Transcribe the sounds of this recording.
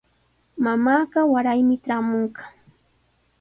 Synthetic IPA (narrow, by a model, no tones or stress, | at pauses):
mamaːɢɑwaɾajmɪʈ͡ʂaːmoɴɢɑ